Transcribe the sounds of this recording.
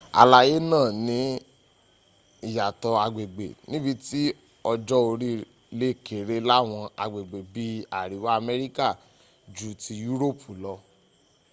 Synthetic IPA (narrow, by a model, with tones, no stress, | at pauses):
a̰˧la˧je˦nãː˦˨nĩ˨˦ | i˨ja˨tɔ˧a˧ɡ͡be˨ɡ͡bḛ˨nĩ˦bi˧ti˦ | ɔ˧d͡ʒɔ˦o˧ɾi˦ | le˦˨ke˨ɾe˧la˦˨w̃ɔ̃˧a̰˨˧ɡ͡be˨ɡ͡be˨bi˦a˨ɾi˨wa˦a˧mɛ˧ɾi˦ka˦˨ | d͡ʒu˨˦ti˧ju˦ɾo˦˨pʰu˨lɔ˧